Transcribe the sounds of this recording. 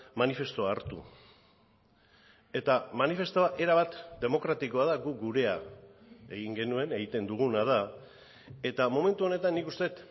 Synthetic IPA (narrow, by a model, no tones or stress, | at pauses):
manife̞st̪o̞aːɾt̪ṵ | e̞t̪amanife̞st̪o̞aʔe̞ɾaβat̪d̪e̞mo̞kɾat̪iko̞að̞aɣuɡuɾe̞a | e̞ɣiŋɡe̞nue̞ne̞ɣit̪e̞nd̪uɣ̞unað̞a | e̞t̪amo̞me̞nt̪uone̞t̪anːikust̪e̞t̪